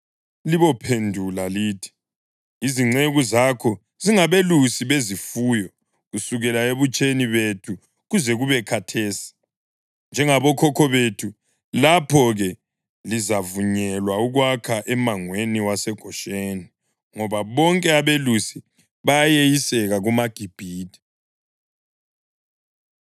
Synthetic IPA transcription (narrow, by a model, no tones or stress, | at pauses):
liβɔpʰendʱulaliːtʰi̥ | iziŋ͡ǀeɣuzakʰɔ | ziŋaβelusiβezifuːjɔ | ɣusuɣɛlaeβut͡ʃʼeniβetʰu | ɣuzɛɣuβɛkʰatʰeːsi̥ | nd͡ʒʱɛŋaβɔkʰɔkʰɔβetʰu | lapʰɔɣɛ | lizavuɲɛlwauɣwakʰaʔɛmaŋweniwasɛɡ̥ʱɔʃeːni | ŋɔβaβɔŋkʼɛaβelusi | βajajejisɛɣaɣumaɡ̥ʱib̥ʱiːtʰi̥